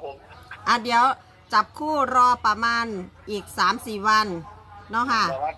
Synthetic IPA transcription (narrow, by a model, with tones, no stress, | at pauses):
ʔa˧˩di˩˦əw | t͡ɕa˨˦p̚kʰuː˥˩ɾɔː˧˩pːa˧maː˧˥˨nʔiː˨˩k̚saː˨˩˦msiː˨˩wa˧˥˨nnɔ˧˥˨kʰa˧˩